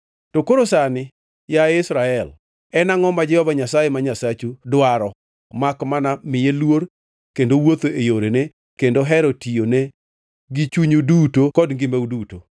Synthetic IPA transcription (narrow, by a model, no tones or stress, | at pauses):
tokoɾosanɪ | jaɪsɾaɛl | ɛnaŋɔmad͡ʒɛhɔvaɲasajemaɲasat͡ʃudwaɾɔ | makmanamɪjelwoɾ | kendowot̪oʔejoɾene | kendoɦɛɾotijonɛ | ɡit͡ʃuɲudutokɔdŋɡɪmeuduto